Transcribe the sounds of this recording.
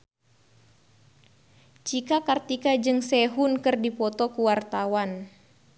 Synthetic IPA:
t͡ʃikakart̪ikad͡ʒɨŋsɛɦunkɨrdipɔt̪ɔkuwart̪awan

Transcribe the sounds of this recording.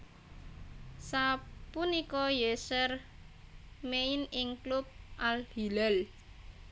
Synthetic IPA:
sapunikɔjesər | meinɪŋklup̚ʔalhilɛl

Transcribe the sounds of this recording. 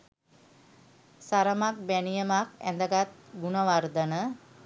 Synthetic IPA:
saɾəmak̚bænijəmakæ̰nd̪əɡat̪̚ɡunəʋard̪ənə

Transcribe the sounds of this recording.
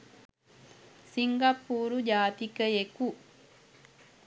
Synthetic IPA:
siŋɡapːuːɾud͡ʒaːt̪ikəeku

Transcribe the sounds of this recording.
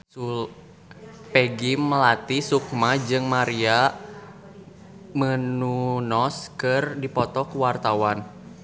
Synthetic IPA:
sul | peɡiməlat̪isuk̚mad͡ʒɨŋmaɾia | mənunɔskɨrdipɔt̪ɔkəwart̪awan

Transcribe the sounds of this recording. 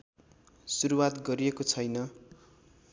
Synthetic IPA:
suɾuwat̪ɡʌɾiekot͡sʰʌjnʌ

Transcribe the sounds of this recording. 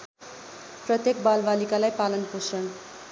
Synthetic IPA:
prʌt̪jek̚balbalikalajpalʌnposrʌn

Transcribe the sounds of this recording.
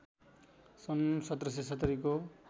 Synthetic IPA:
sʌnsʌt̪rʌs̬esʌt̪ʌɾiko

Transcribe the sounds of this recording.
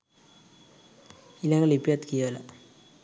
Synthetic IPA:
ilɐŋɡɐɭipjaːt̪kijala

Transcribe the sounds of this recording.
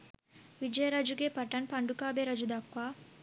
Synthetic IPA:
ʋid͡ʒɐjɐɾaːd͡ʒuɡeːpɐʈɐnpɐɳɖukaːbeːɾɐd͡ʒud̪akʋaː

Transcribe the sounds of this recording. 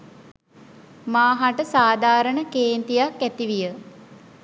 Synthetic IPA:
maːɦaʈəsaːd̪ʱaːɾəɳəkeːnt̪ijakːæt̪iʋijə

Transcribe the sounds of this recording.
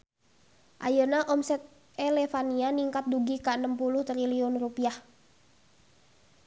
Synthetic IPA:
ʔa̰janaʔɔmsɛt̪̚ | ɛlɛfanianiŋkat̪̚duɡikaənəmpuluht̪ɾiliɔnrupiah

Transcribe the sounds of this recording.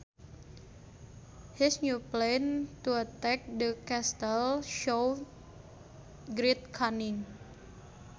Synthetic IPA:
hisnuplent̪uat̪ɛk̚dəkɛst̪əlʃow | ɡɾit̪̚kʰanɪŋ

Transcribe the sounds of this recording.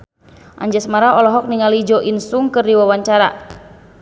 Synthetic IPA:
ʔa̰ɲd͡ʒasmaɾaɔlɔɦɔk̚niŋalid͡ʒɔʔinsuŋkɨrdiwawaɲt͡ʃaɾa̰

